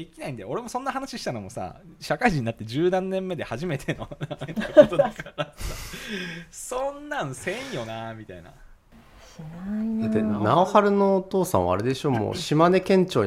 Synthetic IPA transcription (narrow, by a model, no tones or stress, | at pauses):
ikʲinaĩnd̪eo̞ɾe̞mo̞sõ̞nːaɦanaɕiɕi̥t̪anomo̞sa̰ɕakaiʑĩɲ̟inat̪ːe̞d͡ʑɨːnãnːẽ̞mːe̞d̪e̞haʑime̞t̪ʰe̞no̞aot̪od̪akaɾasa | sõnːãɰ̃sẽ̞ɰ̃jo̞namʲit̪a̰ina̰ | d̪at̪ːenaohaɾɯ̟no̞ːt̪o̞ːsã̰ɰ̃a̰ɾe̞d̪e̞ɕo̞ːmo̰ːɕimane̞kẽ̞ɲ̟t͡ɕoː